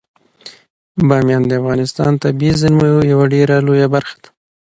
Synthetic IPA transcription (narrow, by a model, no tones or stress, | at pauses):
bɑmjɑnd̪əafɣɑnɪst̪ɑ̰nt̪abizɪnmajojawaɖeɾalojabaɾxḁd̪̥ḁ